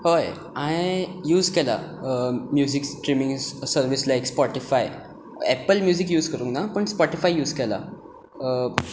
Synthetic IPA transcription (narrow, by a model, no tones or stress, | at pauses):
hoj | ãjjuːzkɛla̰ | mjuziksʈɾimĩŋɡsəɾʋislaikspɔʈifaj | ɛpəlmjuːzikjuːzkəɾũːŋknapəɳspɔʈifajjuːzkɛla̰